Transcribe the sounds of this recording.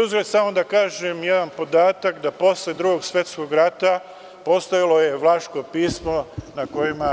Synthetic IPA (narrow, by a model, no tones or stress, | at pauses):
uzɾed̪samo̞d̪akaːʒemje̞d̪anpo̞d̪aːt̪akd̪apo̞sle̞d̪ɾuɡo̞ɡsʋje̞t̪sko̞ɡɾat̪a | po̞st̪aʋilo̞je̞ʋlˠaʃkopiːsmo̞nako̞jima